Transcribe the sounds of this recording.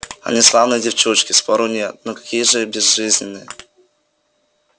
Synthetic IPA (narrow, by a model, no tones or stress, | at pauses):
a̰nʲɛslˠavnɛd͡ʑʲɛft͡ʂut͡ʂkʲispɔɾunʲɛt̪̚nɔkḁkʲijʐɛbʲɛzʐɨzʲnʲinːɨ